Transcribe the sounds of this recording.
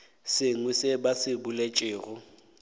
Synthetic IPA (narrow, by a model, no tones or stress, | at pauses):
sɪŋwɛsɪbasɪbulet͡ʃʼɪːɣʊ